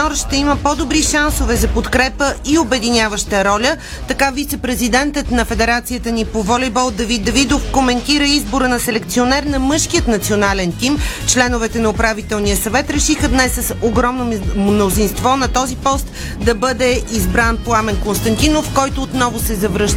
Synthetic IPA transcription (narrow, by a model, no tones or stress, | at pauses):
ɔɾʃt̪ɛiməpɔd̪obɾiʃansovɛzɐpot̪kɾɛpəiobɛd̪inʲjavəʃt̪əɾɔlʲə | t̪ɐkavit̪sɛpɾɛzid̪ɛnt̪ət̪nɐfɛd̪ɛɾat̪sijət̪ənipovɔlʲibɔlˠd̪ɐvit̪ːɐvid̪ofkomɛnt̪iɾəizboɾənɐsɛlɛkt̪sionɛɾnɐmɤʃkiət̪nɐt̪sionalɛnt̪im | t͡ʃlɛnʊvɛt̪ɛnɐopɾavit̪ɛlˠnijəsɐvɛt̪ɾɛʃixəd̪nɛsːəsoɡɾɔmnomnozinst̪vɔnɐt̪ɔzipɔst̪ | d̪ɐbɤd̪ɛizbɾanpoamɛnkonst̪ɐnt̪inofkɔjt̪ʊːt̪nɔvosɛzɐvɾɤʃt̪